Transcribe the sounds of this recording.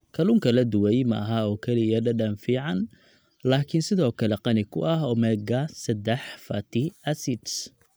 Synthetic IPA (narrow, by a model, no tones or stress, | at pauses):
kʰɐlʊŋkʰɐlɐd̪ʊwɛjmɐʔɐɦɐɔːkʰɛlɪjɐɖɐɖɐnfiːʕɑn | laːkʰɪnsɪðɔːkʰɐlɛqɑnɪkʰʊʔɐɦɔːmɛːɡɐsɐd̪ɛħfɐt̪ʰɪʔɐsɪd̪s